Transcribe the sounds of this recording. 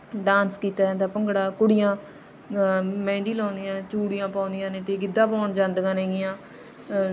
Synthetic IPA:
ɖãːnskiːt̪aːãːnd̪aːpəŋɡɽaːkʊɽɪjãː | mɛ̃ːɳɖiːlãːnd̪ɪjãːt͡ʃuːɽijãːpãːnd̪ɪjãːnẽːt̪eːɡɪd̪ːãːpɔːɳd͡ʒãːnd̪ɡãːnɛːɡɪjãː

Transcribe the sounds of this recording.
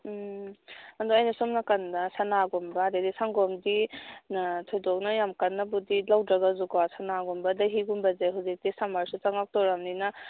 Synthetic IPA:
andɔajnasɔmnakanːasanaɡɔmbaːdedisaŋɡɔmdinatʰɔjdɔk̚najamkanːabudilawdɾaɡazukasanaɡɔmbɐdaɦiɡumbɐzeɦuzik̚disamaɾsut͡ʃaŋak̚tɔɾamnina

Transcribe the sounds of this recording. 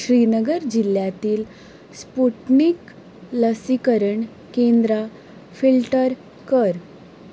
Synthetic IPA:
ɕɾinəɡəɾd͡ʑilːjat̪iːl | spuʈnik | ləsikəɾəɳ | kend̪ɾa | filʈəɾ | kəɾ

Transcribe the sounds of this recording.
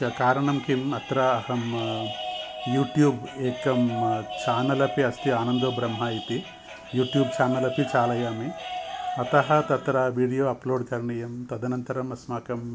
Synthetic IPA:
ɐkaːɾɐɳɐmkimɐt̪ɾɐɐɦɐm | juːʈjuːbeːkɐmt͡ʃaːnɐlɐpiɐst̪iaːnɐnd̪oːbɾɐmɦait̪i | juːʈjuːbt͡ʃaːnɐlɐpit͡ʃaːlɐjaːmi | ɐt̪ɐɦɐt̪ɐt̪ɾɐʋiːɽijoːɐploːɖkɐɾɐɳijɐmt̪ɐd̪ɐnɐnt̪ɐɾɐmɐsmaːkɐm

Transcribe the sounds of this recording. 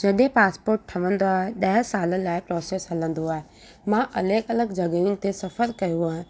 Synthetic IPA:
d͡ʒɐɗ̪ẽpaːspoːɾʈ̚ʈʰɐʋə̃nd̪oaːɦeɗɐɦɪsaːləlaːɪpɾɔːseːsɦɐlə̃nd̪oaːɦe | mãʔɐləkɐləɡd͡ʑɐɡəjunɪ̆t̪esɐfəɾkɐjoaːɦẽ

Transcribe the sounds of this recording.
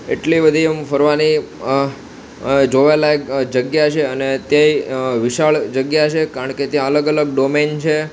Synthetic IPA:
ḛʈlibəd̪ʱiəmfəɾʋani | d͡ʒoʋalaekd͡ʒəɡjat͡ʃʰeənet̪jeiʋiʃaɭd͡ʒəɡjat͡ʃʰekaɾəɳket̪jãələɡələɡ̚ɖoment͡ʃʰe

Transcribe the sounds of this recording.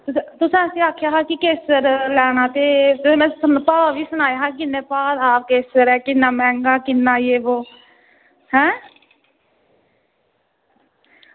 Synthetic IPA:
t̪ʊt̪ʊsãːəsĩːaːkʰjaːɦaːkikeːsəɾlɛːnaːt̪eːt̪ʊmɛ̃ːsənpaːʋiːsʊnaːjaɦaːk̬ɪnːeːpaːd̪aːkeːsəɾɛːkɪnːaːmɛ̃ːŋɡaːkɪnːaːjeːboː | hɛ̃ː

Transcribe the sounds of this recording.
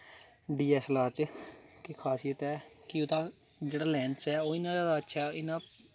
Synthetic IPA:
ɖiːɛːslaːɾt͡ʃkɪkʰaːsiːət̪ɛːkɪot̪ãː | d͡ʒeːɽaːlɛːnsɛːoːɪnãːd͡ʒaːd̪aːətːʃʰaːɪnãː

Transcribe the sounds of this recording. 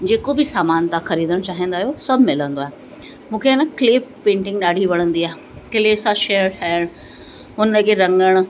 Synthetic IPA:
d͡ʑeːkobɪsaːmaːnt̪ãxɐɾiːd̪əɽ̃t͡ɕaːɦə̃nd̪aːɦijosɐbʱmɪlə̃nd̪oaːɦe | mũːkʰeɪnəkɪleːppẽːɳʈɪ̃ŋɡɗaːɽ̤ʱiʋɐɽ̃ə̃nd̪iaːe | kɪleːsãʃeːəɽʈʰaːəɽ̃ | ɦʊnkeɾɐ̃ŋɡəɽ̃

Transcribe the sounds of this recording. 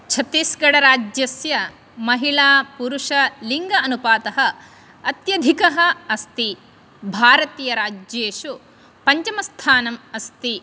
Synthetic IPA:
t͡ʃʰɐt̪iːsɡɐɽɐɾaːd͡ʒjɐsjɐ | mɐɦiɭaːpuɾuʂɐliŋɡɐɐnupaːt̪ɐɦɐː | t̪jɐd̪ʱikɐɦɐːst̪i | bʱaːɾɐt̪iːjɐɾaːd͡ʒjeːʂu | pɐɲt͡ʃɐmɐst̪ʰaːnɐmɐst̪i

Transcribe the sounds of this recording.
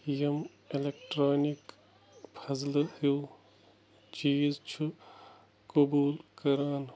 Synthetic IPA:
jɐm | elek̚ʈɾaːnik | pʰɐzlɨhuː | t͡ʃiːzt͡ʃʰu | kobuːlkɐɾaːn

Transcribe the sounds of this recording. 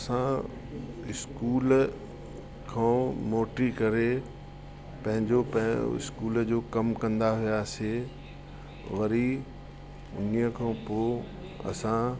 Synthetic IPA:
ɐsã | ɪskuːl | kʰãːmoːʈɾikɐɾe | pɐ̃ɦɪ̃ɲd͡ʑopɐ̰̃ɪ̰skuːld͡ʑoːkɐmkɐ̃nd̪aɦijaːse | ʋɐɾi | ʊ̰nijəkʰãːpoː | ɐ̰sã

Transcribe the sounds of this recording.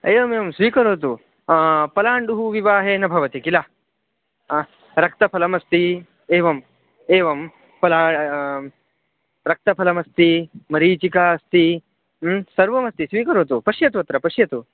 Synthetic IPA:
eːʋɐmeːʋɐmsʋiːkɐɾoːt̪̬u | pɐlaːɳɖuɦuʋiʋaːɦeːnɐbʱɐʋɐt̪ikilaː | ɾɐk̚t̪ɐpʰɐlɐmɐst̪i | eːʋɐm | eːʋɐm | pɐlaː | ɾɐk̚t̪ɐpʰɐlɐmɐst̪imɐɾiːt͡ʃikaːɐst̪i | msɐɾʋɐmɐst̪isʋiːkɐɾoːt̪upɐʂjɐt̪uʋɐt̪ɾɐpɐʂjɐt̪u

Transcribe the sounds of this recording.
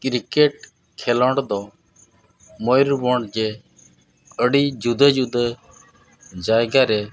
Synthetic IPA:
kɾikeʈ | kʰɛlɔɳɖd̪ɔ | mɔjɾbɔɳɖd͡ʒɛ | əɽid͡ʒud̪əd͡ʒud̪ə | d͡ʒajɡaɾɛ

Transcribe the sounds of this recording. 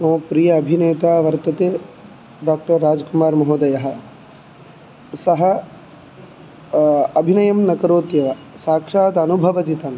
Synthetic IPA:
õːpɾijɐːɐbʱineːt̪aːʋɐɾt̪ɐt̪eː | ɖaːk̚ʈɐɾːaːd͡ʒkumaːɾmɐɦoːd̪ɐjɐɦɐ̆ | sɐɦɐ | ɐbʱinɐjɐmnɐkɐɾoːt̪jɐʋɐ | saːkʂaːt̪ɐnubʱɐʋɐt̪it̪ɐn

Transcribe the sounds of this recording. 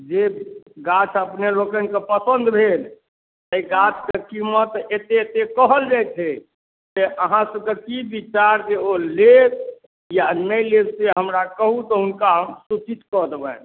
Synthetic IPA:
d͡ʒeɡat͡ʃʰəpnelokənkepəsənd̪bʱel | t̪əiɡat͡ʃʰkekimət̪et̪et̪ekəɦəld͡ʒajt͡ʃ̪ʰe | d͡ʒeʔəɦãsəbkekibit͡ʃaɾd͡ʒeolet̪ | janəjledseɦəmɾakəɦut̪ɔunkaɦəmsut͡ʃit̪kɔd̪ebən

